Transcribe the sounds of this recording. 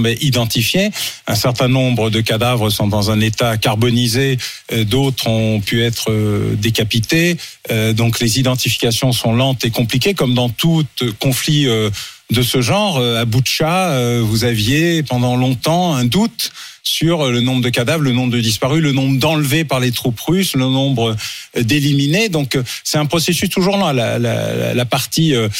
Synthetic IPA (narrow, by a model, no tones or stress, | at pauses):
mɛʔid̪ɑ̃t̪ifjeɛ̃sɛʁt̪ɛ̃nɔ̃bʁəd̪əkad̪avʁəsɔ̃d̪ɑ̃zɛ̃net̪akaʁbɔnize | d̪ot̪χɔ̃pyɛt̪χəd̪ekapit̪eød̪ɔ̃klezid̪ɑ̃t̪ifi̥kasjɔ̃sɔ̃lɑ̃t̪ekɔ̃plikʲekɔmd̪ɑ̃t̪utkɔ̃fliø | d̪əsəʒɑ̃ʁəabuʃaøvuzavjepɑ̃d̪ɑ̃lɔ̃t̪ɑ̃ɛ̃d̪ut̪ | syʁlənɔ̃bʁəd̪əkad̪avʁlənɔ̃bʁd̪əd̪ispaʁylənɔ̃bʁd̪ɑ̃lvepaʁlet̪χupʁyslənɔ̃bʁəd̪elimined̪ɔ̃ksɛt̪ɛ̃pχɔsesyst̪uʒuʁl̃la̰la̰la̰lapaʁt̪iø